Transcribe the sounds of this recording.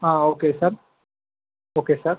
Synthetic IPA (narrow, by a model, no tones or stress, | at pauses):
ɦãːoːkesəɾ | oːkesəɾ